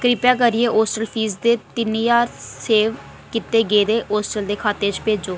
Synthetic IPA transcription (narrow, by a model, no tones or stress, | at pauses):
kɾɪpjãːk̬əɾieːʔoːsʈəlpʰiːsd̪eːt̪ɪniːjaːɾseːʋ | kɪt̪eːɡeːd̪eːʔoːsʈəld̪eːkʰaːt̪eːt͡ʃpeːd͡ʒoː